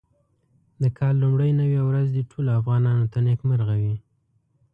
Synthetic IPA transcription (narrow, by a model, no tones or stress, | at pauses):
d̪əkʰɑlːumɽəjnawiwɾazd̪əʈʰoloafɣɑnɑnot̪anekməɾɣawi